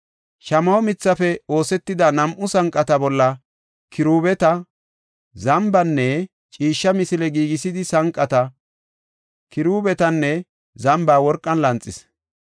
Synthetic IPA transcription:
ʃɐmɐwɔmɪt͡sːɐfɛo̞ːsɛt̪ːɪd̪ɐnɐmʔʊsɐŋkʼːɐt̪ɐbɔlːɐ | kʰɪɾuːbɛt̪ɐ | zɐmbɐnːɛ | t͡ʃʼiːʃːɐmɪsɪlɛɡiːɡɪsɪd̪ɪsɐŋkʼːɐt̪ɐ | kɪɾuːbɛt̪ɐnːɛ | zɐmbaːwɔɾkʼːɐnlɐnt͡sʼːɪs

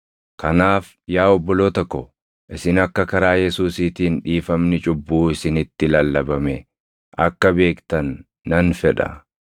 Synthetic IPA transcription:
kɐnaːf | jaːɔbːɔloːt̪ɔkːɔ | ʔɪsɪnɐkːɐkɐɾaːjɛsuːsiːt̪iːnᶑiːfɐmnɪt͡ʃʼʊbːuːɪsɪnɪt̪ːɪlɐlːɐbɐmɛ | ʔɐkːɐbe̞ːkt̪ɐnː | ɐnfɛᶑɐ̰

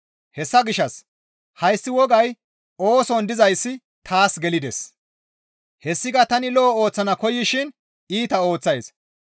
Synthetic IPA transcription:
hɛsːɐɡɪʃːɐs | hɐjsːɪwɔɡɐj | o̞ːsɔnd̪ɪzɐjsːɪ | t̪ʰaːsɡɛlɪd̪ɛs | hɛsːɪɡɐt̪ɐnɪlɔːo̞ːt͡sːɐnɐkɔjːɪʃɪn | iːt̪ɐo̞ːt͡sːɐjs

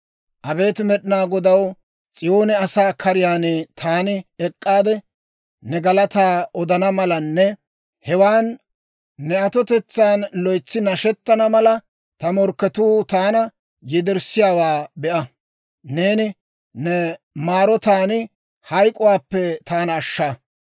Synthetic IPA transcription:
ʔɐbe̞ːt̪mɛɗɪnaːɡɔd̪ɐw | t͡sʼɪjoːnɛɐsaːkʰɐɾɪjaːnt̪ʰaːnɪɛkʼːaːd̪ɛ | nɛɡɐlɐt̪aːɔd̪ɐnɐmɐlɐnːɛ | hɛwaːnː | ɛɐt̪ɔt̪ɛt͡sːaːnlɔjt͡sːɪnɐʃɛt̪ːɐnɐmɐlɐ | t̪ɐmɔɾkːɛt̪uːt̪aːnɐ | jɛd̪ɪɾsɪjaːwaːbɛʔɐ | neːnɪ | nɛ | maːɾɔt̪aːnɪ | hɐjkʼʊwaːpːɛt̪aːnɐːʃːa

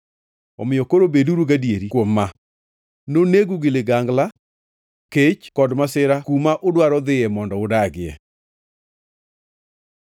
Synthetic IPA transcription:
ɔ̰mɪjokoɾobeduɾuɡadieɾikwomːa | noneɡuɡɪlɪɡaŋɡla | ket͡ʃkɔdmasɪɾakumaʔʊdwaɾɔðɪɛmɔndɔʊdaɡɪɛ̰

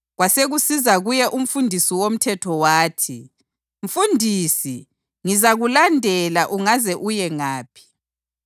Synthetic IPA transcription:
ɣwaseɣusizaɣujɛʔum̩fundʱisiwom̩tʰɛtʰɔwaːtʰi | ɱ̩fundʱiːsi | ŋizaɣulandʱɛlaʔuŋazɛʔujɛŋaːpʰi̥

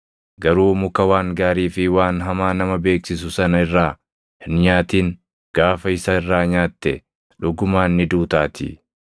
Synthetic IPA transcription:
ɡɐɾuːmʊkɐwaːŋɡaːɾiːfɪwaːnɦɐmaːnɐmɐbe̞ːksɪs̬ʊsɐnɐɪrːaː | hɪnɲaːt̪iːŋ | ɡ̥aːfɐɪsɐɪrːaːɲaːt̪ːɛ | ᶑʊɡʊmaːnːɪd̪uːt̪aːt̪ɪ̰

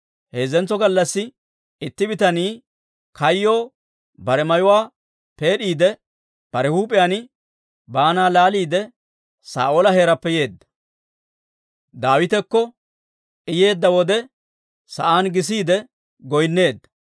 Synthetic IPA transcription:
he̞ːzɛnt͡sːɔɡɐlːɐsːɪ | ɪt̪ːɪbɪt̪ɐniː | kɐjːo̞ː | bɐɾɛmɐjʊwaː | pe̞ːɗiːd̪ɛ | b̥ɐɾɛhuːpʼɪjaːnɪ | baːnaːlaːliːd̪ɛ | sa̰ːʔoːlɐheːɾɐpːɛje̞ːd̪ːɐ̥ | d̪aːwɪt̪ɛkːɔ | ɪje̞ːd̪ːɐwɔd̪ɛ | sɐ̰ʔaːnɡɪs̬iːd̪ɛ | ɡɔjnːe̞ːd̪ːɐ̥

